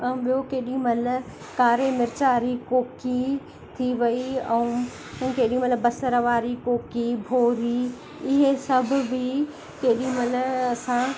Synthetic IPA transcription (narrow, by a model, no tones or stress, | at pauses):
ɓijokeːɗĩmɐl | kaːɾemɪɾt͡ɕaːɾikoːki | t̪ʰiʋɐiɛ̃ | keːɗĩmɐlbɐsəɾəʋaːɾikoːkibʱoːɾi | ɪɦesɐbʱʊ̆bʱɪ | keːɗĩmɐlɐsã